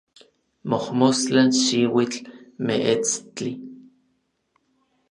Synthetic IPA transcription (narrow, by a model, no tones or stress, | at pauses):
mohmost͡ɬanʃiwit͡ɬmeʔet͡st͡ɬi